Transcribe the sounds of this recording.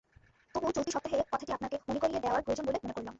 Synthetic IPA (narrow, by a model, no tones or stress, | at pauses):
t̪obut͡ɕot̪iʃɔpt̪ːaɦekɔt̪ʰḁʈiapnakemonekoɾijed̪eoaɾpɾobed͡ʑonbolemonekoɾɭlom